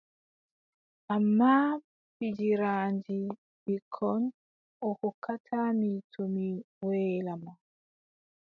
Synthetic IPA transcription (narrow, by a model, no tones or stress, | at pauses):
ʔamːa | fid͡ʒiɾaːnd͡ʒi | bikʰɔn | ʔɔkɔkatʰamitʰomi | wɛːlama